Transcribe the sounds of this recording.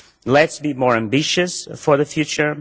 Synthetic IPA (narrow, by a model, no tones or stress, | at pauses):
lɛtsbimɔɹæ̃mbɪʃɨsfɔɹðəfjʉt͡ʃə˞